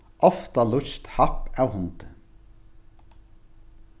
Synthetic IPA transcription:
ʔɔft̪ɑlʊçt̪hɑpɑʋhʊnt̪ə

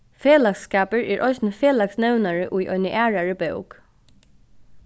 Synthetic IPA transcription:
feːlakskaːpəɹɛɹʔɔjsnfeːlaksnɛwnaɹɪʔujʔɔ̰ʏnəʔæːɹaɹəbo̰wk

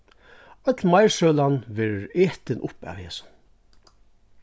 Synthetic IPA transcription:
œt̪lmajɹʂœːlanvɛːɹɹeːht̪ɪnʔʊpa̰whɛːsʊ̥n

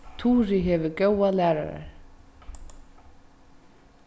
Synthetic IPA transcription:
t̪ʰuːɾɪɦɛvʏcowalæːɾa̰ɾa̰ɹ̥

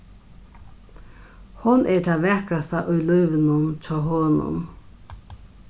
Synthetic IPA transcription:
hʊnʔɛɹt̪ʰaːʋɛhkɾast̪aʔʊjlʊjʋɪnʊnt͡ʃɔːɦɔːnʊ̰n

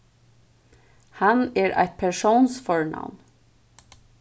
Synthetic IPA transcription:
hɑneːɹʔæ̰ɪt̪̚pʰæʃuːnsfɔɹɳʔɑ̰ʋn

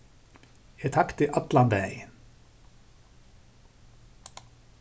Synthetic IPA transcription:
et̪ʰɑkt̪ʰɪʔɑt̪lɑnb̪æɪ

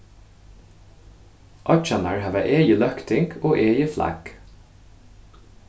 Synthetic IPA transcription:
ʔɑt͡ʃɑnə̰ɹɑːʋæʔeːjəlœkt̪ɪŋkoːʔeːjəflæ̰ɡ̥

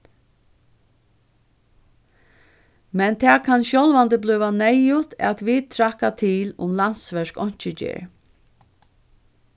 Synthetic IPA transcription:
mɛnt̪ʰɛːkʰanɕɔlvant̪əblʏːʋanɛjʊt̪ʰɛ̰t̪ʋid̪̚t̪ʰɾakat̪ʰiːlʊ̰mlan̥sʋɛʂkɔɲ̥t͡ʃɪd͡ʒɛ̰ːɹ

